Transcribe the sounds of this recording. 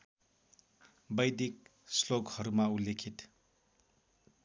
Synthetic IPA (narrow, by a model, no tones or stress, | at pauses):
bʌjd̪ik̚ | sloɡhʌɾumaulekʰit̪